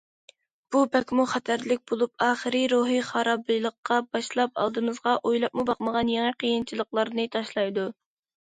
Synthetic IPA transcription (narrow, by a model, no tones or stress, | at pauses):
b̥upɛkʲmuχɛt̪ʰæɾlɪk̚ʲbolˠup̚ɑːχəɾɨɾoɦiχɑɾɑblɨjlˠəqːɑbɑʃlˠɑpɑ̰lˠd̪ɨmɨzʁɑʔojlˠɑp̚mubɑqməʁɑnjeŋiqʰəjint͡ʃʰilˠəqlˠɑɾnɨt̪ʰɑʃlˠɑjd̪u